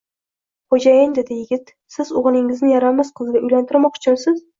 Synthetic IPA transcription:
χod͡ʒajɪŋd̪ed̪ɪjɪɡʲɪt̪ | sɪzʊʁɨlˠɪŋɪznɪjaɾamasqʰɨzɡʲɪʊjlant̪ʰɪɾmɒqʊ̥t͡ʃʰʊnsɪz

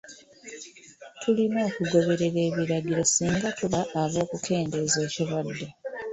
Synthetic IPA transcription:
tʰulimoːkuɡo̞βe̞ɾe̞ɾe̞ːβiɾaɟiɾo̞siːŋɡatuβaʔːβo̞ːkukʰe̞ːnde̞ze̞ːciɾwad̪ːe

